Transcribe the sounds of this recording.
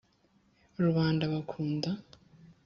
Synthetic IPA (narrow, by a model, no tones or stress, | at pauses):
uɾuβaːndaβakʰuːnda